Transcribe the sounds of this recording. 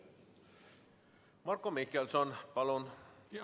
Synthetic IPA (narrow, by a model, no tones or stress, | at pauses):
mɑrkːomikːelsonpɑlon